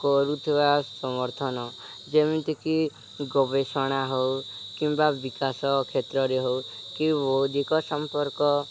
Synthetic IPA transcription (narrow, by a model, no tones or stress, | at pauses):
kɔɾut̪ʰiβasɔmɔɾt̪ʰɔnɔ | d͡ʒemit̪iki | ɡɔbesɔɽ̃aɦɔwkimbabikasɔkʰet̪ɾɔɾeɦow | kiʋod̪ikɔsɔmpɔɾkɔ